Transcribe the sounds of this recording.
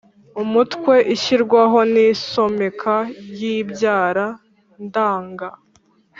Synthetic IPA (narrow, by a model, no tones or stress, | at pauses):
umutkwe̞ʔiçiɾɡwaɦo̞niso̞me̞kʰajibjaːɾa | ndaːŋɡa